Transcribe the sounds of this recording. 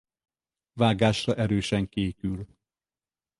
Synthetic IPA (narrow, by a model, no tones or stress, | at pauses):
vaːɡaːʃrɒʔɛɾøːʃɛŋkeːkyl